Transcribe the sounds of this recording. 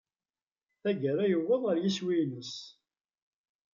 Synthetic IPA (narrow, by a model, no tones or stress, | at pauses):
θæɡəɾæjəwːəðˤəɾjiswinəs